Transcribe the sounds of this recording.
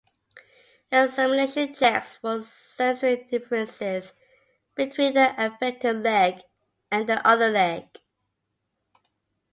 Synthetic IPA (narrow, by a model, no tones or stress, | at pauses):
əsɛməneʃə̃nd͡ʒɛkswɔz̥sɛsəidɪfɹə̃nsɪz | b̥ɨtʰw̥ĩnðiʔəfɛk̚tɪvlɛɡ | ɨ̃nðiʔʌðəlɛɡ̥